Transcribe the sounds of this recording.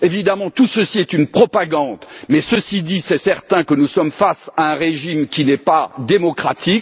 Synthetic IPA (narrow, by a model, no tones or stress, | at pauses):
evid̪amɑ̃t̪usəsiɛt̪ynpχɔpaɡɑ̃d̪mɛsəsid̪isɛsɛʁt̪ɛ̃kənusɔmfasaɛ̃ʁeʒimkʲinɛpad̪emɔkχat̪ik